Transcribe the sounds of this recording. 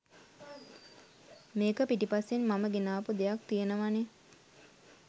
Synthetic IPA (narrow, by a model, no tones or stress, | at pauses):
meːkəpiʈipasːenmaməɡenaːpud̪ejak̚t̪ijənəʋane